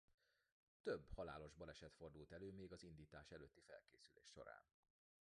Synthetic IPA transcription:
t̪øbːhɒla̰ːlo̞ʒbɒlɛʃɛt̪fo̞rd̪ult̪ɛløːmeːɡɒzind̪iːt̪aːʃɛløːt̪ːifɛ̰lkeːsylḛːʃʃo̞̰ɾa̰ːn

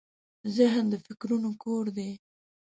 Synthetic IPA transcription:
zɪɦnd̪əfɪkɾunokoɾd̪e

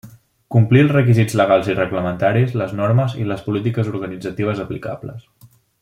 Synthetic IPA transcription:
kumplilˠzrəkizid͡zləɣalˠzirəɣləmənt̪aɾizləznoɾməzḭləspulit̪̬ikəzuɾɣənid͡zət̪iβ̞əzəplika̰blə̰s

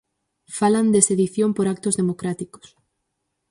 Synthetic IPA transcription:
faland̪eseðiθjompoɾak̚t̪ozðemokɾat̪iko̥s

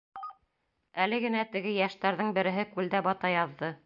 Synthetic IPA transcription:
ælɘɡɘ̆næt̪ɘ̆ɡɘjæʃt̪æɾðɤɴbɘ̆ɾɘ̆ɦɘkʉld̪æbɑt̪ɑjɑðːɤ

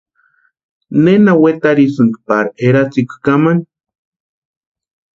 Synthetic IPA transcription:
nenawet̪aɾisɨŋkpaɾeɾat͡sikʷu̥kaman

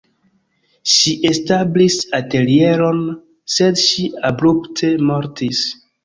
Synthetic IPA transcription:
ʃiʔestablisate̞lieɾo̞n | se̞dʃiabɾuptʰe̞moɾtis

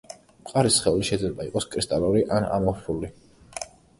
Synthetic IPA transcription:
mqʼaɾisχɛuliʃɛd̪zlɛbaiqʼɔskʼɾist̪ʼaluɾiʔana̰mɔpʰuli

